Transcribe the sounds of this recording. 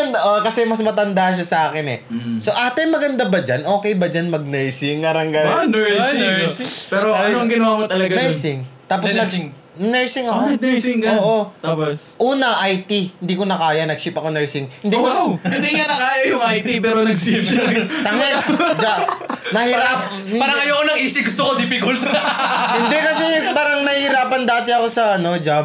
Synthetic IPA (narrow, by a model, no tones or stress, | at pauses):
nd̪ʔokɐsɛmɐsmɐt̪ɐnd̪aʃ̬asɐʔaːkɪnɛ̰so̞ʔaːt̪ɛnmɐɡɐnd̪abɐd͡ʒanʔo̞ːkɛjbɐd͡ʒanmɐɡ̚nɛɹsɪŋːɐɾɐŋɡɐnɛɹsɪpɛːɾoɐoɐŋɡɪnɐwaːkot̪ɐlɐɡanɛɹsɪŋt̪aːp̬snɐɡ | nɛɹsɪŋɐonɛsɪŋoːʔo̞apos | ʔuːnɐʔajt̪iɪnd̪iːkonɐkaːjɐnɐɡ̚ʃɪpɐkonɛɹsɪŋhɪnd̪iːkohɪnd̪iŋanɐkaːjɐjʊŋajt̪ipɛːɾonɐɡʃipt̪ɐŋɛld͡ʒanɐhɪɾap̚ | paːɾɐŋɐjoɐkonɐŋʔiːsɪɡʊst̪okod̪ɪpɪkʊlt̪hɪnd̪ɛkɐsɛpaːɾɐŋnɐhihɪɾaːpɐnd̪aːt̪ɪɐko̞sɐɐno̞d͡ʒab̚